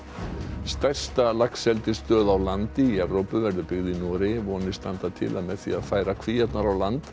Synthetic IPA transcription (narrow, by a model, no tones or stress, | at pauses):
st̪ɛr̥st̪alaksɛlt̪ɪst̪œːðawlant̪ɪiɛvɾowpʏvɛɾðʏpʏɣðɪnɔːɾɪvɔːnɪ̥st̪ant̪at̪ʰɪ̰lamɛðθḭaðfaːjɾakʰvijɛt̪naɾawlant̪